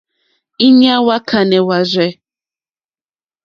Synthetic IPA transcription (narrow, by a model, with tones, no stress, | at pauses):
i˦ɲa˦wa˦kʰa˨nɛ˨wa˨zʷɛ˦